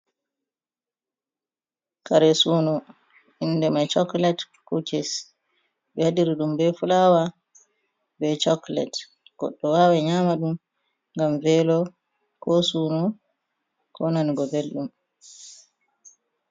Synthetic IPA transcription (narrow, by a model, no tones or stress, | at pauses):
kaɾɛsuːnɔ | inːdɛmajt͡ʃɔklɛt | kukɛs | ɓɛhadiɾiɗumbɛfulawa | bɛt͡ʃɔklɛ̰t | ɡ̥ɔ̰ɗːɔwawaɲamaɗum | ŋɡamvɛlɔ | kɔsuːnɔ | kʰɔnaniɡɔbelɗum